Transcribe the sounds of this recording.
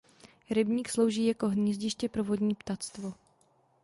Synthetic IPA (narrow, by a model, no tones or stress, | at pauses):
ɾɪbɲiːkslo̞wʒiːjako̞ɦɲɛzɟɪʃcɛpɾo̞vo̞dɲiːpt̪at͡st̪vo